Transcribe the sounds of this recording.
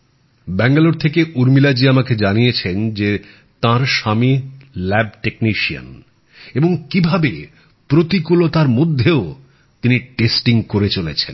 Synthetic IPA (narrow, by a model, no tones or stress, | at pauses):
bɛŋɡaloɾt̪ʰekeʔuɾmilad͡ʑiamaked͡ʑanijet͡ɕʰend͡ʑe | t̪ãɾʃamilɛb̚ʈekniʃia̰n | eboŋkibʱabe | pɾot̪ikulot̪aɾmod̪ʱːeo | t̪iniʈesʈiŋkoɾet͡ɕolet͡ɕʰen